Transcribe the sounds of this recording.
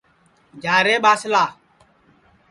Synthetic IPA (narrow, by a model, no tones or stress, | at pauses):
d͡ʒaːɾeɓasɪla